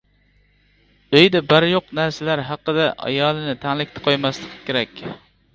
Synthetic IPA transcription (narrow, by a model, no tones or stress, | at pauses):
øjd̪ɛbæɾjoqnæɾsalaɾɦɑqːɨd̪aʔɑ̰jɑːlˠɪnɪt̪ʰæŋlɪkʲt̪ʰɪ̥qʰojmaslˠɨqʰɨ̥kʲʰeɾɛkʲ